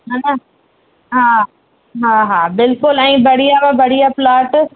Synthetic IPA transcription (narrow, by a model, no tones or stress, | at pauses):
ɦanɐ | ɦaː | ɦaːɦaːbɪlkʊlɛ̃ːbɐɽijabãbɐɽijaplaːʈ